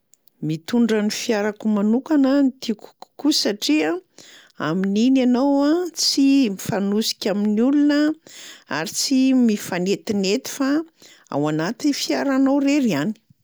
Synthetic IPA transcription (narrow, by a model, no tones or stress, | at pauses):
mit̪uɳɖ͡ʐanifjaɾakumanukanənit̪iku̥u̥kusaʈ͡ʂia | a̰mininanowat͡simifanusi̥kʲaminulunə | a̰ɾit͡simifanet̪inet̪i̥fa | a̰wanat̪inifiaɾanowɾeɾiani̥